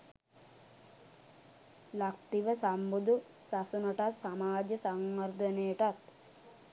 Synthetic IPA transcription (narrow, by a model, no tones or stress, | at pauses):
lak̚t̪iʋəsambud̪u | sasunəʈat̪samaːd͡ʒəsaŋʋard̪ənejəʈat̪